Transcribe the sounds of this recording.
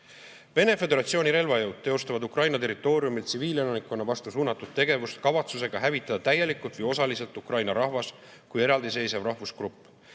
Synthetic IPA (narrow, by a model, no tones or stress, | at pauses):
ve̞ne̞fe̞d̪e̞ɾɑt̪sio̞niɾe̞lvɑjɤwd̪̥̚t̪ːe̞ost̪ɑvɑd̪ukrɑjnɑt̪e̞ɾit̪ːˑo̞ːɾjumilt̪siviːlenɑnikːˑonːɑvɑst̪usuːnɑt̪ːˑud̪̥̚t̪e̞ɡe̞vust̪kɑvɑt̪suse̞ɡ̥ɑɦævit̪ːˑɑd̪̥ɑt̪æje̞likːˑult̪vəjo̞sɑlise̞lt̪ˑukrɑjnɑɾɑhvɑs | kuje̞ɾɑld̪̥is̬e̞jsevrɑhvuskrupˑː